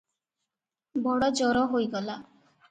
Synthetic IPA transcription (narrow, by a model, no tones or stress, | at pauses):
bɔɽɔd͡ʒɔɾɔɦojɡɔla